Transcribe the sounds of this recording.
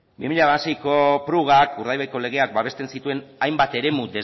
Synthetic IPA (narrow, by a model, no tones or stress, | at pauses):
bimiʎaβasejko̞pɾuɣ̞akuɾð̞ajβejko̞le̞ɣ̞e̞ak̚baβe̞st̪e̞nsit̪ue̞najmbat̪e̞ɾe̞mud̪e